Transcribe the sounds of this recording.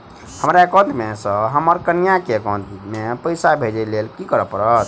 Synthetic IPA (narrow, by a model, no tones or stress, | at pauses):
həmɾaekə̃nt̪mesə̃ɦəməɾkənijakekə̃nd̪mepəjsabʱed͡ʒelelkikəɾəpəɾət̪